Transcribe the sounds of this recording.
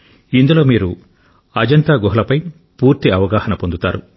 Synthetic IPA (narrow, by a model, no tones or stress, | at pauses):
ind̪ulo̞ːmiːɾu | ɐd͡ʒɐnt̪aːɡɔɦɐlɐpɐj | puːɾt̪iɐʋɐɡaːhɐnɐpo̞nd̪ut̪aːɾu